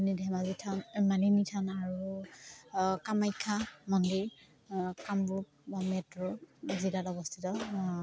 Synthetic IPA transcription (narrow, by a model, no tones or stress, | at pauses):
nidʱɛmazitʰanmaninitʰanaɹu | kamajkʰamɔndiɹ | kamɹup | mɛtɹɔzidatɔbɔstʰitɔ